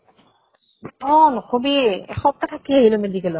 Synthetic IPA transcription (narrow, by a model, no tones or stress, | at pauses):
ɔnkʰobḭxɔp̚t̪at̪ʰakiaɦilomedikɛlɔ